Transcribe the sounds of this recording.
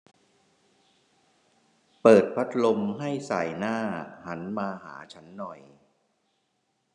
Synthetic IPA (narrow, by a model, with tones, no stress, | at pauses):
pɤː˨˩t̪̚pʰa˦˥t̪̚lo˧mɦa˥˩jsa˨˩jnaː˥˩ha˩˦nmaː˧ɦa̰ː˩˦t͡ɕʰa˦˥nːɔ˨˩j